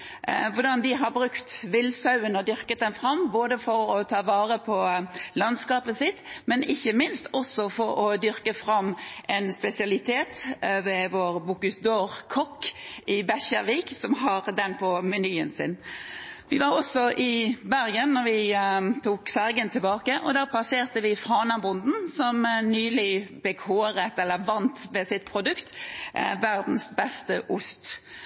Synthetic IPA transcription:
ʋʊd̪ɑnd̪ɪɦɑɾbɾʉkt̪ʋɪlːsɑʉənɔd̪ʏʁkət̪̚d̪ɛnfɾɑmboːd̪əfɔɾɔt̪ʰɑːʋɑːʁəpʰɔlɑnskɑːpəsɪt̪ːmɛnɪçːəmɪnst̪ɔsɔfɔɾɔd̪ʏɾkəfɾɑmːʔɛnspɛsɪɑlɪt̪ʰeːt̪ʋɛʋoːɾbukʉsd̪oːʁkʰɔkːɪbæçəʁʋiːksɔmɦɑɾd̪ɛnpʰɔmɛnyːənsɪ̰nʋɪʋɑʁɔsɔʔɪbæʁɡənːɔʁʋɪt̪ʰuːkfæʁɡənt̪ʰɪlbɑːkəʔɔd̪æːpʰlɑseːʁt̪əʋɪfʁɑːnɑbʊnd̪n̩sɔmnyːlɪbɛkʰoːɾət̪ɛlːəʋɑnt̪ʋɛsɪt̪̚pʰʁʊd̪ʉkt̪ʋæʁd̪n̩sbɛst̪əʔʊst̪

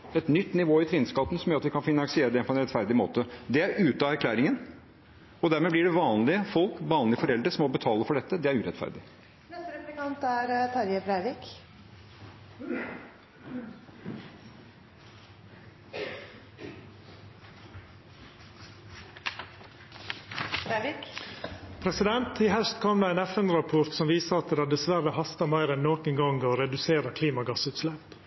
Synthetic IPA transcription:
ɛt̪nʏt̪ːnɪʋoːɪt̪ʰɾɪːnskɑt̪ːən̩sɔmjœɾɑt̪ʋɪkʰɑnfɪnɑŋsɪeːɾəd̪ɛpʰɔɛnɾɛt̪fæɾd̪ɪmo̰ːt̪əd̪ɛæɾʉːt̪ɑæɾkʰlæːɾɪŋən | ɔd̪æɾmɛːblɪɖɛʋɑːnlɪəfɔlkʋɑːnlɪəfɔɾɛld̪ɾəʂɔmɔbət̪ʰɑːləfɔɖɛt̪ːəd̪ɛæɾʉːɾɛt̪fæ̰ɾd̪ɪ | nɛst̪əɾɛplɪkɑnt̪æɾt̪ʰɑɾjəbɾæɪɾɪk | bɾæɾɪk | pʰɾɛsɪd̪ɛnt̪ʰiːhɛlst̪kʰɔmd̪ɑːæɪnæfɛnɾɑpʰɔɾt̪sɔmʋiːsəɾɑt̪d̪ɑːd̪ɛsʋæɾəhɑst̪ɑmæɪɾɛnːoːkəŋɡɑŋɡɔɾɛd̪ʉseːɾəkʰliːmɑɡɑsʉːt̪slɛp

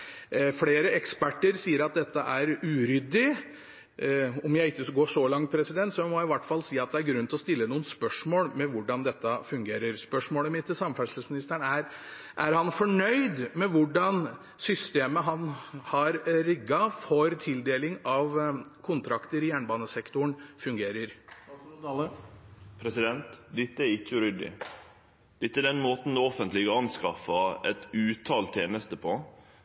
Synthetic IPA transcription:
fleːɾəɛkspæʈːəɾsiːəɾɑt̪̚d̪ɛt̪ːəʔæɾʉːɾʏd̪ɪ | ɔmjæɪɪkːəɡoːʂɔlɑŋt̪̚pʰɾɛsɪd̪ɛnt̪sɔmɔjæɪʋæʈːfɑlːsiːɑt̪̚d̪ɛæɾɡɾʉnt̪ɔst̪ɪlːənuːənspœʂmoːlmɛʋʊɖɑnd̪ɛt̪ːəfʉŋɡeːɾəɾspœʂmoːləmɪt̪ːɪlsɑmfæsəsmɪnɪst̪æɳæɾ | ʔæɾhɑnfɔɳœʏd̪mɛʋʊɖɑn | sʏst̪eːməɦɑnhɑɾɾɪɡːɑfɔɾt̪ʰɪld̪eːlɪŋɑʋkʰʊnt̪ʰɾɑkt̪əɾɪjæːɳbɑːnəsɛkt̪ʊɳfʉŋɡeːɾəɾ | pʰɾɛsɪd̪ɛnt̪d̪ɪt̪ːəæɾɪçːəɾʏd̪ɪ̰ | d̪̥ɪt̪ːəɛd̪ɛnmoːt̪n̩d̪ɛɔfənt̪lɪɡəɑnskɑfɑɛt̪ʉːt̪ʰɑːlt̪ʰeːnəst̪əpʰɔ

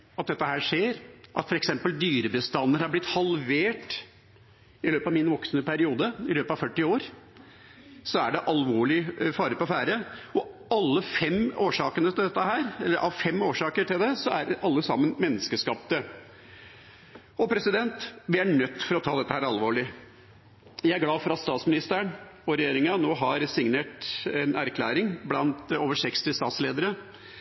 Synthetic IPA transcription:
ɑt̪̚d̪ɛt̪ːəɦæːʂeːɾʔɑ̰t̪fɔɾɛksɛmpəld̪yːɾəbəst̪ɑnːəɾhɑɾblɪt̪hɑlʋeːʈ | ɪløːpɑʋmɪnʋɔksnəpæɾɪuːd̪əɪløːpɑʋfœʈːɪoːɾ | sɔæɖɛʔɑlʋoːɭɪfɑːɾəɾpɔfæːɾəɔɑlːəfɛmoːʂɑːkənət̪ʰɪld̪ɛt̪ːəɦæːɾɛlːəɾʔɑʋfɛmːoːʂɑːkəʈɪld̪ɛsɔæɾɑlːəsɑmːənmɛnːəskəʂkɑp̚t̪ə | ɔpʰɾɛsɪd̪ɛnt̪ʋɪæɳœt̪ːfɔɾɔt̪ʰɑːd̪ɛt̪ːəhæːɾɑlʋoːɭɪ | jæɪæɾɡlɑːfɔɾɑt̪st̪ɑːt̪smɪnɪst̪əɾəɳɔɾɛjeːɾɪŋɑnoːɦɑɾsɪŋneːʈɛnæɾkʰlæːɾɪŋblɑnt̪oːʋəʂɛkst̪ɪst̪ɑːt̪sleːd̪əɾə

